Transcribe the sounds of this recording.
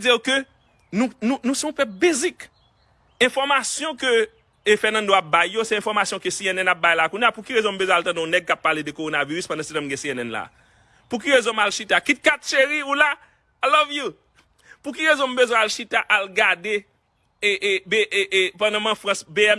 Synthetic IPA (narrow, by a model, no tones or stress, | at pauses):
d͡zijokø | nũnũnũseɔ̃pɛp̚bezik | ɛ̃fɔʁmasjɔ̃kø | fɛnɐ̃ndoap̚bajːosɛɛ̃fɔʁmasjɔ̃kəsiɛnɛnap̚bajlakũnjapukiʁezɔ̃m̩bøzwɛ̃altɐ̃dɔ̃nɛɡ̚kapːaledəkoʁonaviʁyspɐ̃dãsetãmɡɛ̃siɛnɛnla̰ | puk̬iʁezɔ̃malʃitakit̚kat̪ʃeʁiula | alɔvju | puk̬iʁezɔ̃m̩bøzwɛ̃alʃitaʔalɡade | eʔbepɐ̃dãmãfʁãsbeɛm